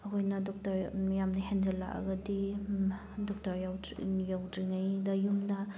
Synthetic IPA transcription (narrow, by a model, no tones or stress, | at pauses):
aɦojnɐdɔk̚taɾjamnahɛnd͡ʒala̰ʔa̰ɡɐdi | dɔk̚taɾjaw | jawdiŋajdajumna